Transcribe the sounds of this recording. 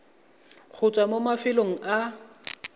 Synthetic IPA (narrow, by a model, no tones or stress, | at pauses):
k͡xʰʊt͡sʼwamomafɪloŋ̩ʔa